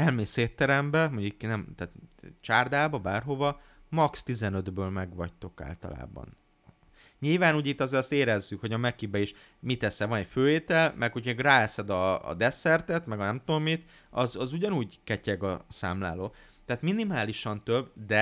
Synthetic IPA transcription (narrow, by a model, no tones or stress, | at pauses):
ɛlmeːseːt̪ːɛɾɛmbɛmoɲiknɛmt̪aːt̪t͡ʃaːrd̪aːbɒbaːrɦo̞vɒ | mɒkst̪izɛnø̞d̪bøːlmɛɡʋɒct̪o̞ka̰ːlt̪ɒ̰la̰ːbɒ̰n | ɲilvaːnuːɟit̪ːɒzeːst̪eːɾɛzːykho̞ɟɒmɛkibɛiʃ | mit̪ɛsɛvɒnɛcføːeːt̪ɛlmɛkhoceɡraːɛsɛd̪ɒ̰ːd̪ɛsɛrt̪ɛt̪mɛɡɒnɛmt̪uomːit̪ | ɒzɒzuɟɒnuːɟkɛcɛɡɒsa̰ːmla̰ːloːt̪ɛːt̪minimaːliʃɒnt̪øbd̪ɛ